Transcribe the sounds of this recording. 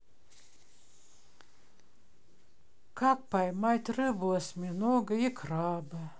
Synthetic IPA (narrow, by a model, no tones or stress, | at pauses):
kak̚pajmajt̪rɨbuɔsmʲinɔɡɨikɾaːbɨ